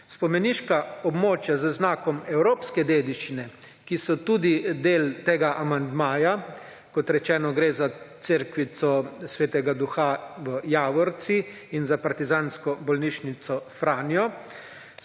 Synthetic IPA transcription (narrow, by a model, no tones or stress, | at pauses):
spɔmɛniʃkaɔbmoːt͡ʃjazəznaːkɔmɛwɾoːpskɛd̪eːd̪iʃt͡ʃinɛ | kisɔt̪uːd̪id̪eːlt̪eːɡaʔamand̪maːja | kɔt̪ɾɛt͡ʃɛːnɔɡɾeːzat̪seɾkʋit̪sɔsʋeːt̪ɛɡad̪uxaʋəjaːʋɔɾt̪si | inzapaɾt̪izaːnskɔbɔlniʃnit̪sɔfɾaːnjɔ